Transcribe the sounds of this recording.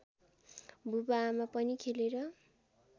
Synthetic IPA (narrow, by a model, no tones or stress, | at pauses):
bubaːmapʌnikʰeleɾʌ